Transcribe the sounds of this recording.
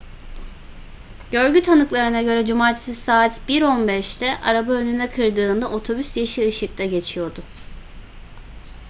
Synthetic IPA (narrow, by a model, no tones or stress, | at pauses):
ɟø̞ɾɟyt̪ʰanɯklˠaɾɯnaɟø̞ɾɛd͡ʒumaːɾt̪ʰi̥sisaːt̪biɾo̞nbɛʃt̪ʰɛʔaɾabaønynɛkʰɯɾd̪ɯːnd̪aʔo̞t̪ʰo̞bysjaʃiɯʃɯk̚t̪ʰaɟe̞t͡ʃʰijo̞d̪ʊ